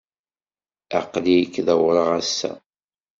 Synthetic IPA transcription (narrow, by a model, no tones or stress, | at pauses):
æ̰qlijəkːðæwɾˤəʁæsːæ̰